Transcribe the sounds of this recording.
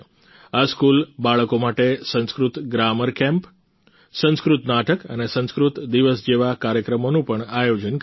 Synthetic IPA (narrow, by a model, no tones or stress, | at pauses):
askulbaɭəkomaʈesə̃nskɾut̪ɡɾaməɾkɛ̃mp | sə̃nskɾut̪naʈʰəkənesə̃nskɾut̪d̪iʋəsd͡ʒeʋakaɾjəkɾəmonũpəɳajod͡ʒənk